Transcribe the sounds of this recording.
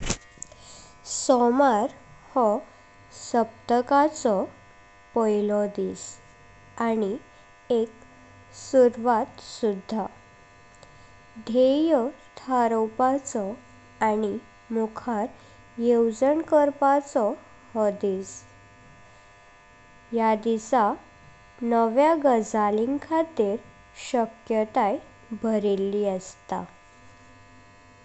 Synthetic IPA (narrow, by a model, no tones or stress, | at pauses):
sɔmaɾhɔ | səp̚t̪əkat͡sɔ | pɔjlɔd̪is | ani | ek̚ | suɾʋat̪sud̪ʱːa | d̪ʱejɔt̪ʰaɾɔwpat͡sɔ | añi | mukʰaɾ | jewd͡zəɳkəɾpat͡sɔ | həd̪is | jad̪isa | nəʋjaɡəd͡zaliŋkʰat̪iɾ | ɕəkjət̪aj | bʱəɾilːiːəst̪a̰